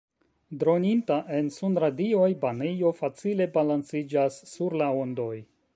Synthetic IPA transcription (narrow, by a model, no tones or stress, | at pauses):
dɾo̞nintaʔe̞nsunɾadio̞jbanejo̞fat͡sile̞balansid͡ʒasːuɾlaondo̞j